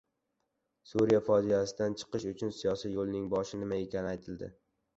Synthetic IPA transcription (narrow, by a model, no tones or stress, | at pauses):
suɾijafɒd͡ʒijasɪd̪ant͡ʃʰɨ̥qɨʃʊt͡ʃʰʊnsijɒsijjolˠnɪŋbɒʃɪnɪmae̞kʲʰanɪajt̪ʰɪld̪ɪ̰